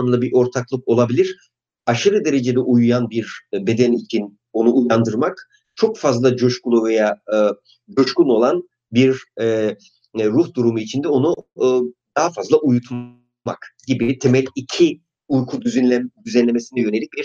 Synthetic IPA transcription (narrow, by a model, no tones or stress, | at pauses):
ɯmlˠabiʔo̞ɾt̪ʰaklˠɯko̞lˠabilʲiɾ̥ | aʃɯɾɯd̪e̞ɾe̞d͡ʒe̞d̪ɛʔujujanbiɾbe̞d̪ænit͡ʃʰin | o̞nuʔːjand̪ɯɾmak | t͡ʃʰo̞kfazlˠad͡ʒoʃkulˠuve̞jaɯ | d͡ʒoʃkuno̞lˠan | biɾ | uxd̪uɾumuit͡ʃʰind̪ɛo̞nu | d̪̥aɦafazlˠaʔujut̪ʰ | ma̰kɟibit̪ʰe̞mɛlʲicʰi | ujkʰud̪yd̪yzænlʲe̞me̞sinɛjø̞ne̞lʲic̚biɾ